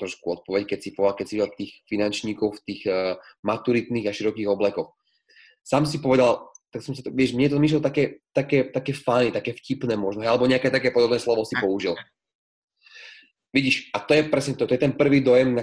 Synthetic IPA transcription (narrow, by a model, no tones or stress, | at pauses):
t̪ɾɔʃkuɔt̪̚pɔʋɛckɛcsipɔʋalkɛcsiʋiɟɛlt̪iːxfinant͡ʃɲiːkɔʊft̪iːɣ | mat̪uɾit̪niːɣaʃiɾɔkiːɣɔblɛkɔx | saːms̬ipɔʋɛd̪alt̪aksɔmsat̪ɔʋɪɛʃmɲɛt̪ɔmiʃ̬lɛlt̪akɛːt̪akɛːt̪akɛːfajnit̪akɛːfcipnɛːmʊɔʒnɔɦɛɪalɛbɔɲɛakɛt̪akɛːpɔd̪ɔbnɛːslɔʋɔsipɔuʒil | ʋiɟiːʃʔat̪ɔjɛpɾɛsɲɛt̪ɔt̪ɔjɛt̪ɛnpr̩ʋiːd̪ɔjɛmna